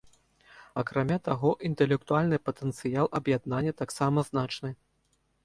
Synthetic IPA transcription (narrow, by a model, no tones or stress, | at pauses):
ɐkɾamʲat̪aɣɔʔint̪ɛlʲɛk̚t̪ualʲnɨpɐt̪ɛnt̪sɨjalˠʔɐbjad̪nanʲːɐt̪aksamɐznat͡ʂnɨ